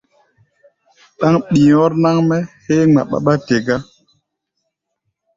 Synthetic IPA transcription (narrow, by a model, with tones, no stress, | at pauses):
ɗa˦ŋɓĩ˨ɔ˦ɾna˦ŋmɛ˦he˦ŋ͡ma̰˨ɓa̰˦ɓa˦te˨ɡa˦